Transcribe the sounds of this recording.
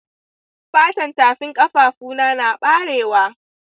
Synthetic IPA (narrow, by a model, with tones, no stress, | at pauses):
ɸaː˦tɐ˨ntaː˨ɸɪ˦ŋkʼɐ˦ɸaː˨ɸuː˦naː˦naː˨ɓaː˦ɽeː˨waː˦